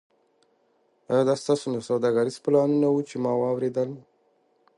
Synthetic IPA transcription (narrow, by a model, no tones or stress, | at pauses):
əd̪ɑst̪ɑsonasawd̪ɑɡaɾizplɑnunawut͡ʃemɑwɑwɾed̪əl